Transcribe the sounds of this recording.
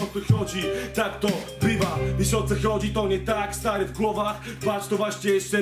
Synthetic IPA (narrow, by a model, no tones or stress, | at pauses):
ɔt̪sɛxɔd̪it̪akt̪ɔ | bɾivɐvisɔt̪sɛxɔd͡ʒʲit̪ɔnʲɛt̪akst̪aɾɛvɡlˠɔva | t̪vat͡ʃt̪ovaʃt̪ʲɛʃt̪ɛ